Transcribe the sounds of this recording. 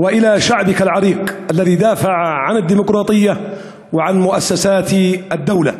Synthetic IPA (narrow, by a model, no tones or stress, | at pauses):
wɪʔɪlaʃaʕbɪkalʕɑɾiːqʔalːaðid̪aːfaʕʕanɪd̪ːiːmʊqɾˤɑːt̪ˤɨjːa | wɪʕanmʊʔasːasaːt̪ʔad̪ːawla